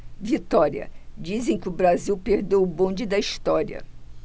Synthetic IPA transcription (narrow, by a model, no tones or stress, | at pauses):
vit̪ɔɾiɐ̰d͡ʒizẽj̃kɪʊbɾaziwpeɾd̪owʊbõnd͡ʒɪd̪ɐiʃt̪ɔɾiɐ̰